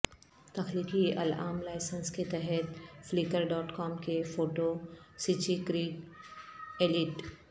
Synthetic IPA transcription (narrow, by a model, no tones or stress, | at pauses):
t̪ɐxliːd̪iʔɐ̰la̰ːmlaːɪsənsket̪ɛɦɛt̪flikəɾɖɔːʈkɔːmkefoːʈosit͡ʃikɾiːɡ | elɪʈ